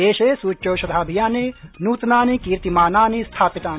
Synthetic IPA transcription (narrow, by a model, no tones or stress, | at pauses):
eːʃeːsuːt͡ʃːoːʃɐd̪ʱaːbʱijaːnenuːt̪naːnikiːɾt̪imaːnaːnist̪ʰaːpit̪aːn